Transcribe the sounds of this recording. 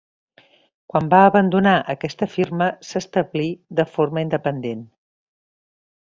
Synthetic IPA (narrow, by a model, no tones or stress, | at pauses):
kwambaəβənd̪unaʔəkɛst̪əfirməsəst̪əβliðəforməind̪əpənd̪en